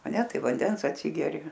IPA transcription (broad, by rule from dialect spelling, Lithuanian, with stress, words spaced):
ɐ ˈnʲɛ ˈtɐɪp ʋɐnʲˈdʲɛns ɐtʲˈsʲɪɡʲɛrʲɪ